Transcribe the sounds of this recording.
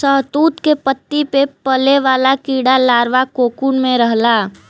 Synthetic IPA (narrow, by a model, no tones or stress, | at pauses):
səɦt̪uːt̪kepət̪ːipepəleʋaːlakiːɽalaːɾʋakoːkuːɳmẽɾəɦla